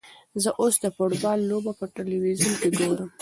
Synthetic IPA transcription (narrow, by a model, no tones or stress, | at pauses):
zəʔosd̪əfoʈbɑlːobapəʈeliwizunkeɡoɽəm